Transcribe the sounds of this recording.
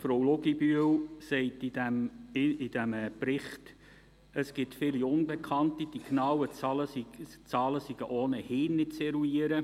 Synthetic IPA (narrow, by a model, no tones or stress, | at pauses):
fɾowloɡibyəwsɛɪtidæmɪd̥æməprɪχt | əsɡ̥ɪtfɪliʊnbekʰɑntid̥iknɑwət͡sɑlət͡sɑːləsiɡ̥əʔoːnəhɪːnːɪtt͡sɛɾuiəɾə